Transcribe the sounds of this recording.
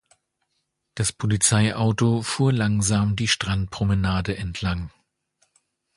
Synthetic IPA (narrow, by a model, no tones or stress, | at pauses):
d̥aspʰolit͡saɪʔaʊtofuːɐlaŋzaːmdiːʃtʁ̥ant̚pʁ̥omənaːdəʔɛntʰlaŋ